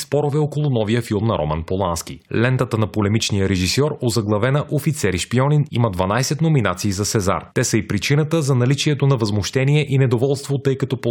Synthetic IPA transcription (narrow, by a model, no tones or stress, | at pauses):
spɔɾovɛokolˠʊnɔvijəfilˠmnɐɾʔo̰ma̰npolˠansk̟ḭlɛnt̪ət̪ənɐpolɛmit͡ʃnijəɾɛʒisɔɾozɐɡlˠɐvɛnəʔofit̪sɛɾiʃpiɔninḭmɐd̪vɐnajsɛt̪nominat̪siːzɐsɛza̰ɾt̪ɛsɐipɾit͡ʃinət̪əzɐnɐlit͡ʃiɛt̪onɐvɐzmoʃt̪ɛniɛʔinɛd̪ovɔlˠst̪vot̪ɤjkɐt̪ɔpo